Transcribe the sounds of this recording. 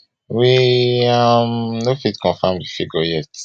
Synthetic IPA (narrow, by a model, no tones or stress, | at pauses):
wiamnofitkɔ̃nfamdifiɡɔjɛt